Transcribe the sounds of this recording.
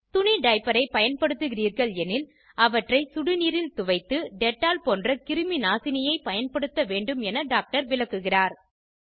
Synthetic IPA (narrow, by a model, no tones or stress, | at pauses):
t̪ʊniɖɐɪpɐɾɐɪpɐjɐnpɐɽɯt̪ːɯɣɪriːɾɣɐɭɛnɪl | ɐʋɐʈrɐɪsʊɽɯniːɾɪlt̪ʊʋɐɪt̪ːɯɖɛʈːaːlpoːndrɐkɪɾɯminaːsɪnɪjɐɪpɐjɐnpɐɽɯt̪ːɐʋeːɳɖɯmɛnɐɖaːk̚ʈɐɾʋɪlɐkːɯɣɪraːɾ